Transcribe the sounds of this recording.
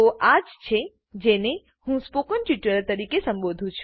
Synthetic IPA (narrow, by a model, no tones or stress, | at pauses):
oʔad͡ʒt͡ʃʰe | d͡ʒene | hũspokənʈiʈəɾəlt̪əɾikesə̃mbod̪ʱũt͡ʃʰ